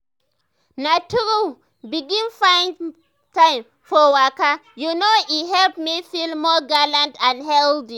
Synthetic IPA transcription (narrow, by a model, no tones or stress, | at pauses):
natuɹu | biɡĩnfãɪ̃n | tãɪ̃m | fɔwakajunoiɦɛlpmifilmɔɡalãntãnhɛldi